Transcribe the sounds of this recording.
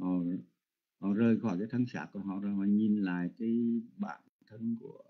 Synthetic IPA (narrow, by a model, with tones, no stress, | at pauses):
ʔo˨˩˨ | hɔ˧˨˩zəː˨˧˩jxɔ˧˩jkaː˨˦jt̪ʰə˧ŋsa̰ː˧˩ku˧˩əɦɔ̰˧˨zɔ˧˩hɔ˧˨ɲi˨nla̰ː˧˨jkaː˨˦jɓaː˧˩n | t̪ʰə˧nku˧˩ə